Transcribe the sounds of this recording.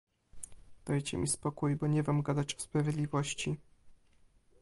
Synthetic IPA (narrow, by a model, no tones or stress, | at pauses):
d̪̥ajt͡ɕɛ̰mʲʔispɔkujbɔɲɛvamɡad̪at͡ɕɔ̥spɾavʲjed̪lʲivɔɕt͡ɕi